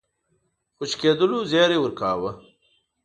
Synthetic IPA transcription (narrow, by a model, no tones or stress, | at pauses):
xʊt͡ɕkeːd̪uluzjaːɾewuɾkaːwɐ